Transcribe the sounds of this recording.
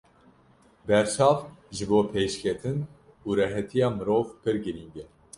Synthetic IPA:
bɛɾt͡ʃʰɑːvʒɨboːpʰeːʃkʰɛt̪ʰɨn | uːɾɛɦɛt̪ʰijɑːmɨɾoːvpɨɾɡɨɾiːŋɡɛ

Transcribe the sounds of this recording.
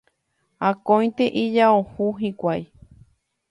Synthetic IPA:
akõj̪̃t̪eʔid͡ʒaohuɦĩkʷaj

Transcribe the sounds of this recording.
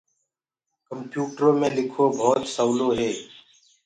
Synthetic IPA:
kəmpjuːʈəɾõːmẽːlɪkʰoːbʱɔːt̪səːloːɦeː

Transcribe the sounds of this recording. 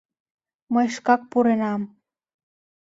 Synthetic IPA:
məjʃkɑk̚puɾenɑm

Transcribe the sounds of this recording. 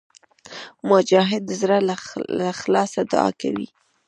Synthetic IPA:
mʊd͡ʒɑɦɪd̪zɾaaxlɑsad̪ʊ̰ɑ̰ka̰wḭ

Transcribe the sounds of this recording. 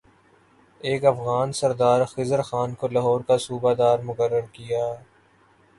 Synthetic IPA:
eːkɐfɣaːnsɐɾd̪aːɾxɪzəɾxaːnkolɐɦɔːɾkasuːbad̪aːɾmʊkəɾːəɾkijaː

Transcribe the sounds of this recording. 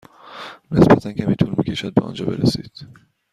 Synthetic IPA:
ne̞sbæt̪ʰæncʰæmiːt̪ʰuːlmiːcʰeʃæd̪̚bɛɒ̰ːnd͡ʒɒːbe̞ɾæsid̪̥

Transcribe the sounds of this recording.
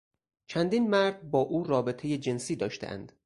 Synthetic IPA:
t͡ʃʰænd̪iːnmæɾd̪̚bɒːʔuːrɒːbe̞t̪ʰejed͡ʒe̞nsiːd̪ɒːʃt̪ḛʔæ̰nd̪̥

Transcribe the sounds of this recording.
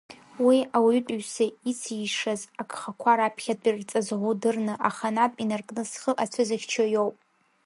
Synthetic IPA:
wiawɥtʷʼɥsait͡sʰiʂazakʰʼχakʷʰaɾapʰχʲadʼirt͡sʼazʁudɨrnɨʔaχanapʼinarkʼnɨsχəʔat͡sʷʰazaχʲt͡ʃʰajowpʼ

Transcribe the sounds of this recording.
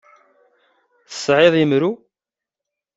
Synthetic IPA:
θə̥sˤʕɪðˤjəmɾu

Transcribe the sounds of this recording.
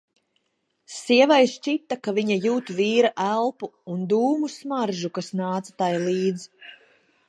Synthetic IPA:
siɛvajst͡ʃit̪ːakaviɲajuːt̪viːɾaʔælˠpuːnd̪uːmusmaɾʒukasnaːt̪sḁt̪ajlˠiːd̪z

